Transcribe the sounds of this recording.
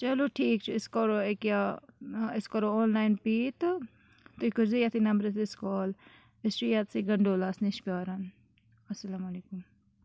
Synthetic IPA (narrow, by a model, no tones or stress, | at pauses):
t͡ʃɐloʈʰiːk̚t͡ʃʰɪskoːɾoekja | ɪskɔɾooːnlaːjnpiːt̪ | t̪oikʊɾzijat̪ʰinɐmbɾɐt̪ɪskoːl | ɪst͡ʃijaːt̪siɡɐɳɖoːlaːsniʃpiaːɾan | ɐsɐlamɐleːkum